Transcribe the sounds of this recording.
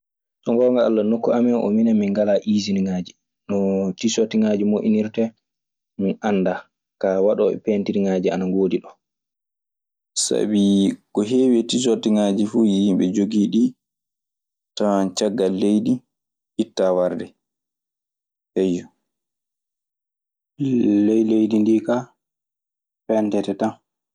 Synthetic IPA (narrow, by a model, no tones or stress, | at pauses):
sɔŋɡɔŋɡaa̰lːanokːuamɛnʔɔ̰minamiŋɡalaʔiziniŋaːd͡ʒi | nɔtisotiŋad͡ʒimoʔiniɾtɛ | minanːda | kawaɗɔːɓɛ̰pentiɾiŋaːd͡ʒia̰naɡoːdiɗɔ | sa̰bikɔɦeːwetisotiŋaːd͡ʒifuːjimɓɛd͡ʒoɡiːɗi | tant͡ʃaɡːalːejɗi | ʔitːawaɾdɛ | hɛjːɔ | lejlejdindika | pɛntɛtɛtan